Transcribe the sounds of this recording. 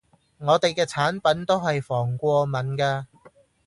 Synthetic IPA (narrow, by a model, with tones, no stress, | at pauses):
ŋɔː˨˧t̪e˨jkɛː˧t͡sʰaː˨˥npɐ˨˥nt̪o˥wɦɐ˨jfɔː˨˩ŋkʷɔː˧mɐ˨˥nkaː˧